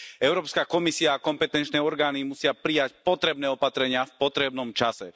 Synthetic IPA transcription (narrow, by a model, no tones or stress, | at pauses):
ɛʊɾɔːpskakɔmisiaːkɔmpɛt̪ɛnt͡ʃnɛːɔɾɡaːnimusɪapɾijacpɔt̪ɾɛbnɛːɔpat̪ɾɛɲɪafpɔt̪ɾɛbnɔmt͡ʃasɛ̰